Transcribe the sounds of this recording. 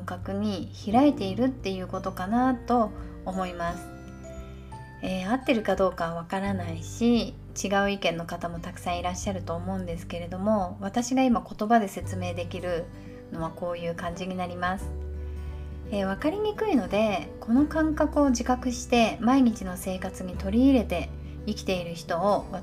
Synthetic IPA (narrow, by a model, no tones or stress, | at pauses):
ŋkakɯ̟ɲ̟içiɾaet̪e̞iɾɯ̟t̪ːe̞jɯ̟ːko̞t̪o̞kanat̪o̞ːmo̞imasɨ̥ | eːat̪ːe̞ɾɯ̟kad̪o̞ːkaββakaɾanaiɕi | t͡ɕiɡaɯ̟ikẽ̞nːo̞kat̪amo̞t̪akɯ̟̥sãɰ̃iɾaɕːaɾɯ̟t̪o̞ːmo̞ɯ̟̃nd̪e̞sɨ̥ke̞ɾe̞d̪o̞mo̞β̞at̪aɕiɡaimako̞t̪o̞bad̪e̞se̞t͡sɨme̞ːd̪e̞kʲiɾɯ̟ | no̞βako̞ːjɯ̟ːkãɲ̟d͡ʑiɲ̟inaɾʲimasɨ̥ | eːβakaɾʲiɲ̟ikɯ̟ino̞d̪e̞kʰo̞no̞kãŋkakɯ̟o̞ʑikakɯ̟ɕi̥t̪e̞maiɲ̟it͡ɕino̞se̞ːkat͡sɨɲ̟it̪o̞ɾʲiːɾe̞t̪e̞ | ikʲi̥t̪e̞iɾɯ̟çi̥t̪o̞ːβa